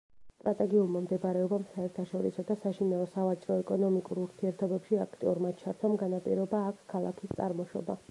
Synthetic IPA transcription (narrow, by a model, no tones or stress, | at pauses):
st̪ʼɾat̪ʼɛɡiulˠmamd̪ɛbɾɛɔbamsaɛɾt̪ʰaʃɔɾisɔd̪asaʃinalɔsavat͡ʃʼɾɔɛkʼɔnɔmikʼuɾuɾt̪ʰiɛɾt̪ʰɔbɛpʃiakʰt̪ʼiuɾmat͡ʃʰaɾt̪ʰamɡanapʼḭɾɔbaːkʰkʰalˠa̰kʰist̪sʼa̰ɾmɔʃɔ̰ba̰